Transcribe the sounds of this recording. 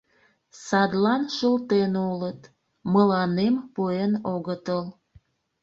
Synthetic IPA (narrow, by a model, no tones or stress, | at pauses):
sɑd̪lɑnʃəlt̪enulət̪ | məlɑnempuenoɣət̪əl